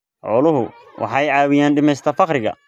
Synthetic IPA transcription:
ʕɔːlʊɦʊ | wʔɑ̰ħɑjʕɑːwɪjaːnɖɪmɛjst̪ʰɐfɑqɾɪɣɐ̰

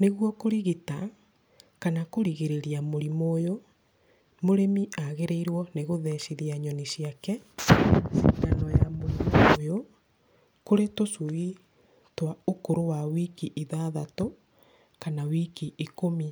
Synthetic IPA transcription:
neɣwɔkoɾiɣita | kanakoɾiɣeɾeɾiamoɾimojo | moɾemiaɣeɾeiɾwɔneɣoðɛʃiðiaɲɔnisiakɛ | sḭɡanɔjamoɾimojo | koɾetosui | twaokoɾowawikiʔiðaðato | kanawikiʔikomi

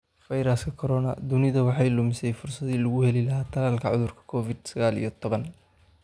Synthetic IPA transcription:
fɐjɾɐskʰɐkʰɔɾɔnɐ̰d̪ʊnɪðɐwɑħɑjlʊmɪsɛjfʊrsɐðiːlɐɣʊhɛlɪlɐɦaːt̪ʰɐlaːlkʰɐʕʊðʊrkʰɐ̥kʰɔːfɪd̪sɐɣaːlḭjɔt̪ʰɔβɐn

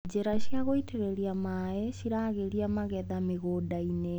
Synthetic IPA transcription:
d͡ʑeɾaɕjaɣoitʰeɾeɾiamaɛɕiɾaːɣeɾiamaɣɛðameɣodaine

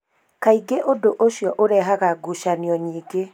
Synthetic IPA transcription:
kaiɡeʔodoʔoʃjɔʔoɾɛːɦaɣaɡuʃaniɔɲiːɡe

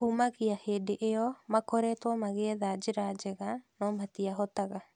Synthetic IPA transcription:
umaɣiaheːdeʔeɔmakɔɾɛtwɔmaɣɛɛðad͡ʒɪɾad͡ʒeɣanɔmatiaɦɔtaɣa

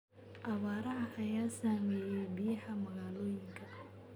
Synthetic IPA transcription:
ʔɐβaːɾɐɦɐʔɐjaːsaːmɛːjɛjbɪjɐħɐmɐɣaːlɔːjɪŋkʰɐ

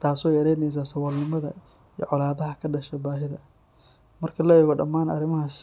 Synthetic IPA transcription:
t̪ʰaːsɔɛjɐɾɛjnɛjs̬aːsɐwɐlnɪmɐðɐ̰ | ij̰ʕɔlaːðɐɦɐkʰɐɖɐʃɛbaːɦɪðɐ | mɐrkʰɐlɛɣɔɖɐmːaːnɐ̰rɪmɐɦɐs

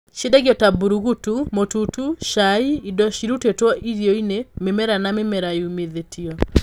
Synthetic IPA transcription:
ʃedaɣiɔtabuɾuɣutumotutuʃaiidɔʃiɾutetwɔʔiɾiɔinememɛɾanamemɛɾajumeðetʰiɔ

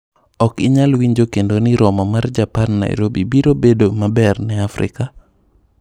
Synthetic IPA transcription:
ɔkɪɲalwiɲd͡ʒokendoniɾɔmɔmard͡ʒapanːa̰j̰ɾobibiɾobedomabɛrnɛafɾɪ̰ka

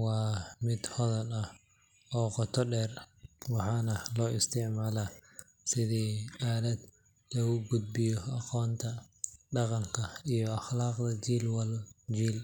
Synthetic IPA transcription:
wɑːmɪd̪hɔðɐnɐh | ɔːqɔt̪ʰɔɖɛːrwɑħɑːnɐlɔːʔɪst̪ʰɪʕmaːlaː | sɪðiːaːlɐd̪ | lɐɣʊɡʊd̪̚bɪjɔɑqɔːnt̪ʰɐɖɑqɑŋkʰɐijɔɑχlɑːqd̪ɐt͡ʃiːlwɐlt͡ʃiːl

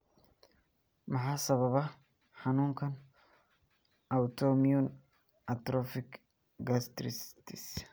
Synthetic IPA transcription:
mɐħaːsɐβɐβɐ | ħanuːŋkʰɐn | ʔɐwt̪ʰɔmijɔn | ʔɐt̪ɾɔfɪk | ɡɐst̪ɾɪst̪ʰis

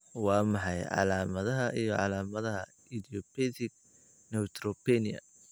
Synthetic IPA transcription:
wɑːmɑħɑjʕɑ̰laːmɐðɐɦɐʔijɔʕɑ̰laːmɐðɐɦɐ̰ | id̪ijɔpʰɛðɪɡ | nɛwt̪ʰɾɔpɛniɐ̰

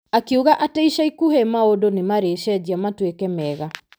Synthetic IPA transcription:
akiuɣaʔateiʃaikuhɛmaodonemaɾeʃɛd͡ʑiamatwekɛmɛɣa

